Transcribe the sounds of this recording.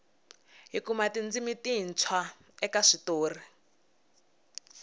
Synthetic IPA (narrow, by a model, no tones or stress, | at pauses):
ɦikumatind͡zimitint͡sʰwa | ɛkaʂitoːri